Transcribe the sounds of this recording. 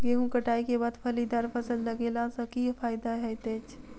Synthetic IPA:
ɡeɦũkəʈaːikebaːd̪pʰɐlid̪aːɾpʰəsəlːəɡelasɐkipʰaːɪd̪aɦɛt̪eːt͡ʃʰ

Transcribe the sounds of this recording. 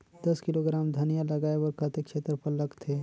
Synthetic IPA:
d̪̥ɐskɪloɡɾaːmd̪ʱɐnijalɐɡaːeʋɔɾkʰat̪ekʃeːt̪ɾəpɐɾlɐɡt̪ʰeː

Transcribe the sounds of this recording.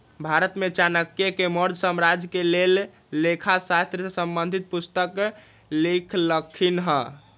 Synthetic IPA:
bʱaɾət̪met͡ʃanəkjekeməɾd͡ʒ̪ʱsəmɾad͡ʒkelelː | ekʰasast̪ɾəsesəmbənd̪ʱit̪̚pust̪ək | likʰləkʰːinɦə̃

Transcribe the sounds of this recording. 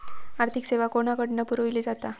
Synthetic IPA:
aɾt̪ʰikseʋakoɽ̃akəɽnəpuɾojliːd͡zat̪a

